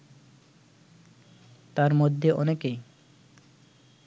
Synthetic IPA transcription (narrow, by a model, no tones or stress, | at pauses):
t̪aɾmod̪ʱːeʔɔnekej